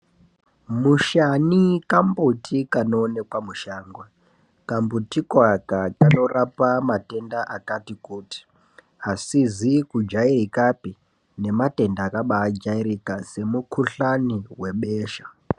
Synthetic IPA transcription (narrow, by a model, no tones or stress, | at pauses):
muʃanikambutʰikanoːne̞kwamuʃaːŋɡwa | kambutikwakakano̞rapamate̞ndaʔakatikuːti̥ | asizikud͡ʒairikapi | ne̞mate̞ndaːkaɓaːd͡ʒaiɾikase̞mukʰuɬaniwe̞ɓeːʃḁ